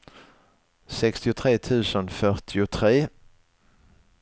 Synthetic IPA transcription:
sɛkst̪ɪʊt̪ʰɾeːt̪ʰʉ̟ːsənfœʈʰɪʊt̪ʰɾeː

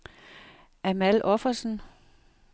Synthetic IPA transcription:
ʔæmælʔɒfɐsn̩

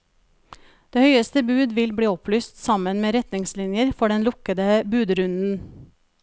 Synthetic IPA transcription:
d̪̥eːhœʏəst̪əbʉːd̪ʋɪlbɽiːɔplyːst̪sɑmənmeːɾɛt̪nɪŋslɪnjəɾfɔɖɛnlʊkəd̪əbʉːd̪ɾʉnn̩

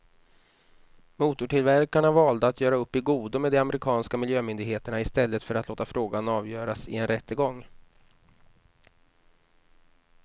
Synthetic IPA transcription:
muːt̪ʊʈɪlvæɾkaɳavɑːld̪əat̪ʰjœːɾaɵpːɪɡuːd̪ʊmɛːd̪ɛamɛɾɪkʰɑːnskamɪljøːmʏnd̪ɪɡɦeːt̪əɳaɪst̪ɛlːət̪fœɾat̪loːt̪afɾoːɡanɑːvjœːɾasɪ̰ɛnɾɛt̪ːəɡɔŋː

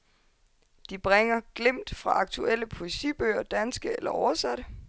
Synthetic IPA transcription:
d̥ib̥ʁeŋɐɡ̥lem̰d̥fʁɑ̈ɑ̈ɡ̥̚t͡sʰuel̰əpʰo̝e̝sḭːb̥ø̰ːɐd̥ænsɡ̥əelɐɒʊɐsæɾ̥ə

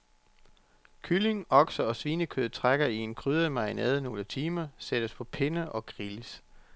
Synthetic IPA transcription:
kʰyle̝ŋɒ̽ɡ̥sɐɒ̽sʋiːnəkʰøð̩ˠt͡sʰʁaɡ̥ɐie̝nkʰʁyð̞ˠɐmɑ̈ɪnɛ̰ːðˠno̝ːlət͡sʰiːmɐsed̥əspʰɒ̽pʰe̝nəʔɒ̽ɡ̥ʁiləs

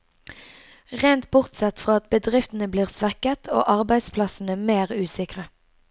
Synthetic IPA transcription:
ʁeɪnt̪̚bʊʁt̪sɛt̪fʁɑːɑt̪̚bəd̪ʁɪft̪n̩əbliːʁsʋækət̪ʰo̰ːʔɑʁbæɪspʰlɑsn̩əmeːʁʉːsɪkʁə

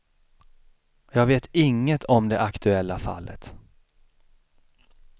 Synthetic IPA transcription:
jɑːɡveːt̪ɪŋːət̪ʰɔmd̪ɛʔakt̪ʰɵɛlːafa̰lːʔə̰t̪

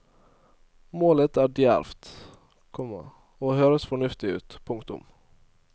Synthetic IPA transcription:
moːlət̪æːɖjæ̰ɾft̪ | kʰɔmə̰ | oːhøːɾəsfɔɳʉft̪ɪʉ̰ːt̪pʰʊŋkt̪ʊ̰m

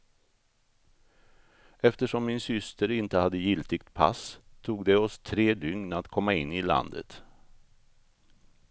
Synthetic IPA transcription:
ɛft̪əʂɔmːɪnsʏst̪əɾɪnt̪əhad̪ːəjɪlt̪ɪɡt̪pʰa̰st̪ʰuːɡd̪ɛɔst̪ʰɾeːd̪ʏŋnat̪kʰɔmːaɪnːɪla̰nd̪ə̰t̪

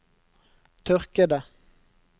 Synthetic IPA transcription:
t̪ʰœʁkəd̪ə

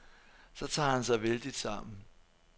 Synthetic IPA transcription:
sɒ̽t͡sʰɑ̰̈ːhænsɑ̈ɪʋeld̥id̥sɑ̈m̰n̩

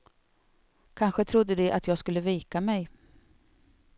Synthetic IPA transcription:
kʰanɧət̪ʰɾʊd̪ːəd̪ɛʔa̰t̪jɑːɡskɵlːəviːkamɛj

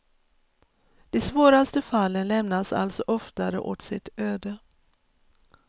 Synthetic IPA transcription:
d̪̥ɛsvoːɾast̪əfalːənlɛmnasa̰lt̪sɔʔɔft̪aɾə̰ʔo̰t̪sɪt̪øːd̪ə

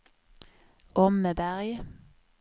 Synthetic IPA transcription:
ʔɔməbæʁj

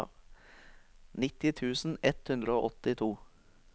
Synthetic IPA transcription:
nɪt̪ɪt̪ʰʉːsn̩ɛt̪hʉnd̪ɾəoːʔɔt̪ɪt̪ʰuː

